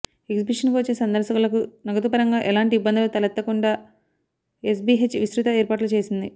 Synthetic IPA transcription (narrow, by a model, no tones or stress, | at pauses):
eɡzibiʂɐnkuʋɐt͡ʃːesɐnd̪ɐɾsɐkulɐkunɐɡɐt̪upɐɾɐŋɡaːʔɛlaːɳʈiibːɐnd̪ɐlut̪ɐlɐt̪ːɐkuɳɖaː | es̬biɦet͡ʃːʋisɾut̪ɐeːɾpaːʈlut͡ʃe̞ːsind̪i